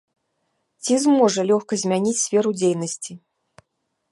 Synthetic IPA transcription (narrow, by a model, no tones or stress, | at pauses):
t͡sʲizmɔʐɐlʲɔxkɐzʲmʲanʲit͡sʲsʲfʲɛɾud͡zʲejnɐsʲt͡sʲi